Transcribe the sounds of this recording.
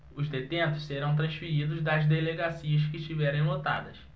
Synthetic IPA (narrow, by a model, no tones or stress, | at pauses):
ʊzd̪et̪ẽnt̪ʊsseɾɐ̃w̃t̪̬ɾɐ̃ʃfiɾid̪ʊzd̪ɐzd̪eleɡasiɐʃ̬kɪʃt͡ʃivɛɾẽj̃lot̪a̰d̪ɐs